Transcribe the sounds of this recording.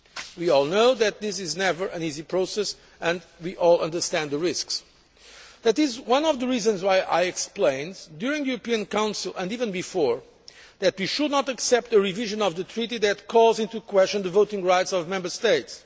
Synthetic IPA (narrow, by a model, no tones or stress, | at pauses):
wiɔlˠnoʊðɨt̪̚ðɪs̬ɪznɛvə˞ʔɨ̃nizipʰɹoʊsɛs | ɨ̃ndwiʔɔlˠʌ̃ndə˞stæ̃nd̪ðəɹɪsks | ðætɪzwʌ̃nɔvðəɹizɨ̃nzwaɪjʔa̰ɪɨksplẽɪ̃ndjʊɹɪ̃ŋðɨjuɾəpiɨ̃nkãʊ̃nsɨl̩ˠə̃ndivɨ̃nbɨfɔɹ | ðɨt̪wiʃɨdⁿnətəksɛp̚t̪əɹiviʒɨ̃nɔvðɨtʰɹiɾiðɨtkʰɔlˠzɪ̃ntukʰwɛst͡ʃɨ̃nðəvoʊtɪ̃ŋɹaɪtsɔvmɛ̃mbə˞steɪts